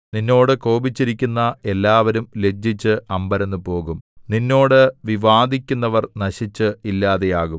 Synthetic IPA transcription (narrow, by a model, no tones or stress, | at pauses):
ninːo̞ːɽɨko̞ːbit͡ɕːiɾikʲːunːɐe̞lːaːʋɐɾumle̞d͡ʑːit͡ɕːɨʔɐmbɐɾe̞nːɨpo̞ːɣumninːo̞ːɽɨʋiʋaːd̪ʱikʲːunːɐʋɐrnɐɕit͡ɕːɨilːaːðejaːɣum